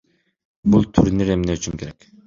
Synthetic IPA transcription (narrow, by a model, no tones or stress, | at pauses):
bulˠt̪ʰyɾniɾemneyt͡ʃymkʲeɾek